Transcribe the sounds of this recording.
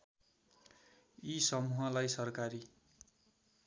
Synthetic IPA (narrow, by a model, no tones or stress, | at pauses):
isʌmuɦʌlajsʌrkaɾi